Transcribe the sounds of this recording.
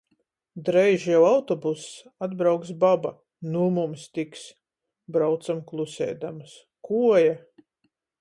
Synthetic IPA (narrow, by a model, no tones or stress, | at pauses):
d̪ɾɛjʒjawawt̪ɔbusːad̪bɾawks̬baba̰ | numumst̪iks | bɾawt̪samklˠusʲɛ̰ːd̪ams | kuɔja